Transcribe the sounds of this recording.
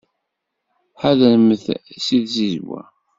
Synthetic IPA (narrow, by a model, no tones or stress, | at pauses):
ħaðænməθsiðzizwæ̰